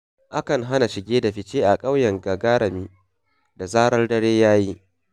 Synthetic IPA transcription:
ʔa˦kɐ˨ŋɦa˦na˨ʃɪ˨ɡʲeː˦da˨ɸɪ˦t͡ʃeː˦ʔa˨kʼa˦wjɐ˨ŋɡa˨ɡaː˦ɽɐ˨miː˦ | da˨zaː˦ɽɐ˦rdɐ˦ɽeː˦jaː˦ji˦

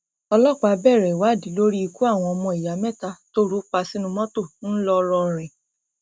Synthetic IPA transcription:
ɔ˧lɔ˦˨k͡pa˧˦bɛ˦˨ɾɛ˨wa˨˦˨di˨˦lo˦ɾi˦i˧ku˦a˦˨w̃ɔ̃˧ɔ˧mɔ̃˧˨i˨ja˨˦mɛ̃˦˨ta˧to˦ɾu˦k͡pa˧si˦nũ˧mɔ̃˦to˦˨n̩˦lɔ˦˧ɾɔ̃˧˨ɾ̃ɛ̃˨

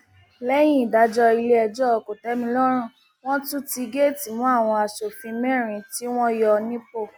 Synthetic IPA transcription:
lɛ˦j̃ĩ˦˨da˨˦d͡ʒɔ˦i˧le˦ɛ˧d͡ʒɔ˦ɔ˧ko˨tɛ˨˦mĩ˧lɔ˦ɾ̃ũ˦˨ | w̃ɔ̃˦tu˦ti˧ɡe˦˨ti˨mũ˦a˦˨w̃ɔ̃˧a˨ʃo˨fĩ˧mɛ̃˦˨ɾ̃ĩ˨˧˨ti˦w̃ɔ̃˦jɔ˧nĩ˦po˦˨

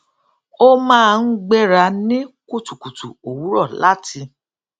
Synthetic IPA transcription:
o˦mãː˦˧n̩˦ɡ͡bɛ˦ɾa˧nĩ˦ku˦˨tu˨ku˨tṵ˨o˨wu˨˦ɾɔ˦˨la˦tʰi˧

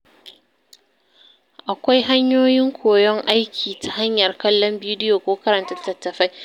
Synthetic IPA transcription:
ʔa˨kʷa˦jɦa˦ɲjoː˦jɪ˦ŋkʷoː˨jɔ˦ŋʔa˦jkʲʰiː˨ta˦ha˦ɲjɐ˨rkɐ˦lːɔ˦mbiː˦dɪ˦joː˨kʷoː˦kɐ˦ɾɐ˨ntɐ˦tːɐ˨tːɐ˨ɸa˦j

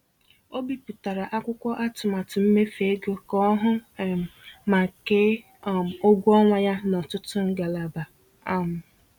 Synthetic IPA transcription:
o˦bi˨pu˨ta˨ɾa˨ʔa˦kʷʊ˦kʷɔ˦ʔa˦tʊ˨ma˨tʊ˨m̩˦me˦fe˨˦ɡo˦kɔ˦ɦʊ˦˨ | ma˨ke˦˨ | o˦ɡʷu˦ɔ˦ŋʷa˦ja˦nɔ˨tʊ˦tʊ˦ŋ̩˦ɡa˨la˨ba˨ | a˦mʊ˨

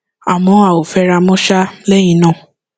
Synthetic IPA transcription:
a˨w̃ɔ̃˧˦a˨o˨fɛ˧ɾa˧mõ˦ʃa˦lɛ˦j̃ĩ˧˦nãː˦˨

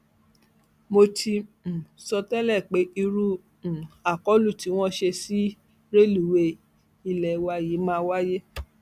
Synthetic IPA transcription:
mo˧tʰĩ˧˨sɔ˧tɛ˦lɛ˦˨k͡pe˨˦i˧ɾũ˦˨ | a˨kɔ˨˦lu˦˨ti˨˦w̃ɔ̃˦ʃe˧si˦ | ɾe˦lu˨we˧ | i˧˨lɛ˨wa˧ji˨˦mãː˦˧wa˦je˦

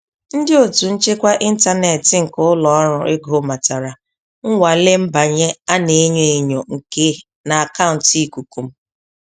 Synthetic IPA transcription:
n̩˦dɪ˦o˨tu˨n̩˦t͡ʃe˦kʷa˦ʔi˦n̩˦ta˦ne˨tɪ˨ŋ̩˨kʊ˦ʊ˦lɔ˨˦ɔ˦ɾʊ˨e˦ɡo˦ma˨ta˨ɾa˨ | ŋ̩˦ŋʷa˨le˦m̩˦ba˨ɲe˦a˦ne˨˦ɲe˦˨e˨ɲo˨ŋ̩˨ke˦ | na˨a˨ka˦ʊ˨n̩˨ti˦ku˨ku˨m̩˦

